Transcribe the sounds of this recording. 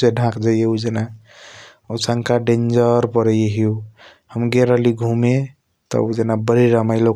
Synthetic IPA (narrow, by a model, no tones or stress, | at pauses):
seɖʱãkd͡ʒajeud͡ʒena | usaŋkaɖẽnd͡ʒəɾpəɾəjeɦiu | həmɡeɾəliɡʱume | t̪ə̰ud͡ʒenabəɾiɾəmaɪjlo